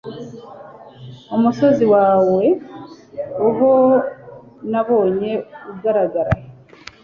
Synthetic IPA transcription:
omuso̞ziwaːwe̞ | oβo | naβo̞ːɲe̞uɡaɾaɡaɾa̰j

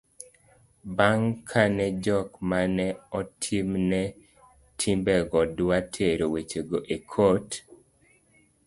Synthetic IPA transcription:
baŋkʰanɛd͡ʒɔkmanɛɔtʰimnɛ | tʰimbɛɡɔdwatʰeɾowet͡ʃeɡoʔekʰot

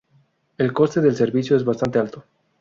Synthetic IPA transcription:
elkost̪eðelseɾβiθjoezβast̪ant̪e̞alt̪o

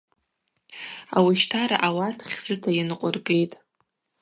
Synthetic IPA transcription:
a̰wiʃtʰaɾa̰ʔawatʰχʲzɨtʰajanɨqʷʼʊrɡe̞jtʼ

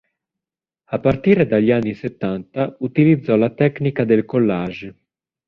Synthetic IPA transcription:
apːart̪iːɾed̪aʎanːiset̪ːant̪aut̪ilid̪zːɔlat̪ɛknikad̪elkolːaːʒ

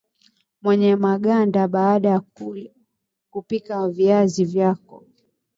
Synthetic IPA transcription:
mwɛɲɛmaɠandaɓaːɗaj | kupikaviazivjakɔ

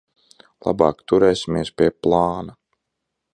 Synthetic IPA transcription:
lˠa̰bɑ̰ːkt̪uɾɛːsʲimiɛspʲiɛplˠɑːna

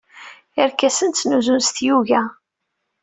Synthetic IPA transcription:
əɾkːæsənt̪t͡sːnuzunst̪juʝæ

